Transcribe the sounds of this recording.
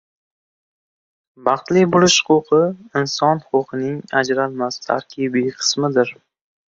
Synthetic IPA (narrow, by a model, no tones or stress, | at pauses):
bɑχt̪lɪbʊlˠɪʃʊ̥qʊqʰɨɪnsɒnʊqʊqʰɨnɪŋad͡ʒɾalmast̪ʰa̰ɾkʲʰibiqʰɨ̥smɪd̪ɪɾ